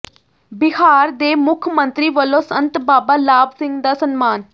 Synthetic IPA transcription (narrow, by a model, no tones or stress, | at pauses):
bɪhaːɾd̪eːmʊkʰmənt̪ɾiːʋəlõːsənt̪baːbaːlaːbsɪ̃ŋɡd̪aːsənmaːn